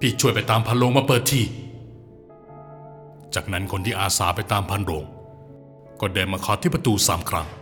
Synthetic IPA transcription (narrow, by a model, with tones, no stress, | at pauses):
pʰiː˧˩t͡ɕʰu˥˩əjpa˧˩jt̪aː˧mpʰa˧nɾoː˧ŋmaː˧pɤː˨˩t̪ʰːiː˧˩ | t͡ɕaː˨˩k̚na˦˥nkʰo˧nt̪ʰiː˧˩ʔaː˧saː˩˦pa˧jt̪aː˧mpʰa˧nɾoː˧ŋ | kɔː˧˩deː˧maː˧kʰɔː˦˩t̪ʰiː˥˩pɾa˧t̪uː˧sa̰ː˩˦mkʰɾa˦˥ŋ